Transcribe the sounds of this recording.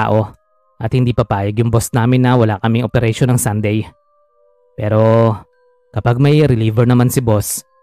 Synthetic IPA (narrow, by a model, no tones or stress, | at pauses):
aːʔo̞ | ʔɐt̪̚hɪnd̪iːpɐpaːjɐɡjʊŋbosnaːmɪnːɐwɐlakɐmɪŋʔopɛɾɛʃonɐŋsand̪ɛj | pɛːɾo̞ | kɐpaɡ̚mɐjɾɪliːvɛɹnɐmansɪbo̞s